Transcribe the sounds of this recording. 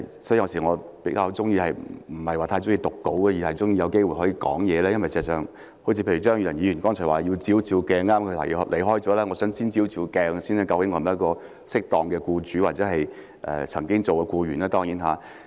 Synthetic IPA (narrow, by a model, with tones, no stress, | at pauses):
jsɔ˨˥jiː˧jɐ˧wsi˨˩ŋɔː˨˧pe˨˥jkaː˧ht͡sʊ˥ŋjiː˧hɐ˨jm̩˨˩hɐ˨jwaː˨t̪ʰa˧jt͡sʊ˥ŋjiː˧t̪ʊ˨kːo˨˥wkɛː˧jiː˨˩hɐ˨jt͡sʊ˥ŋji˧jɐ˨˧wke˥jwu˨jɦɔː˨˥jiː˧kɔ̰ː˨˥ŋjɛː˨˧lɛː˥jɐ˥nwɐ˨jsɛː˨sœː˨˩ŋ | ho˨˥t͡sʰi˧pʰe˧jy˨˩t͡ʃœː˥ŋjyː˧˩ɐ˨˩njiː˨˧ɥy˨˩nkɔː˥ŋt͡ʃʰɔ˨˩waː˨ji˧wt͡siː˨˥wt͡siː˧wkɛː˧ŋaː˥kʰɵ˧la̰˨˩jlʔe˨˩ɦɔː˥jt͡sɔː˨˥lɛː˥ŋɔː˨˧sœː˨˥ŋsiː˥nt͡siː˨˥wt͡si˧wkɛː˧ŋ˧siː˥nɛ˨˧kɐ˧wkɪ˨˥ŋːɔ˧m˨˦ɐ˥kɔː˧ | sɪ˥k̚t̪ɔː˨ŋkɛː˧kuː˧t͡ʃyː˨˥waː˨t̚t͡sɛ˨˥ɦɐ˨j | ʔɛ̰ː˨t͡sʰɐ˨˩ŋkɪ˥ŋt͡so˨wkɛ˧kuː˧jyː˨˩naː˥t̪ɔː˥ŋjiː˨˥nɦaː˨˧